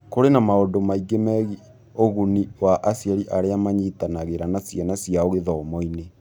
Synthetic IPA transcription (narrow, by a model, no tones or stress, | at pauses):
koɾenamaodomaiɡemɛɣi | oɣuniwaʔasiɛɾiʔaɾeamaɲitanaɣeɾanasjɛnasiaoɣeðɔːmɔine